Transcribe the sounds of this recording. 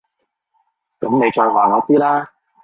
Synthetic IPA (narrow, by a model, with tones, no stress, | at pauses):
kɐ˨˥mne˨˧jt͡ʃɔː˧jwaː˨˩ŋɔː˨˧t͡siː˥laː˥